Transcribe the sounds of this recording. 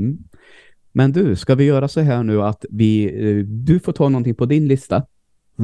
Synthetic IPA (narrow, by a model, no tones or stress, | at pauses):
mɛnd̪ʉskavɪjœːɾasɔɦæːɳʉ̟ːat̪vɪd̪ɵfoːʈʰɑːnɔnt̪ɪŋpʰɔd̪ɪnlɪst̪a